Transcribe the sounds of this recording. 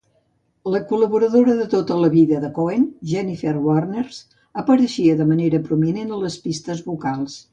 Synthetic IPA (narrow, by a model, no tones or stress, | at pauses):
ləkuləβuɾəðoɾəðət̪ot̪ələβiðəðəkoenʒɛniferwarnerz̥ | əpəɾəʃiəðəməneɾəpɾuminenələspist̪əzβukalˠs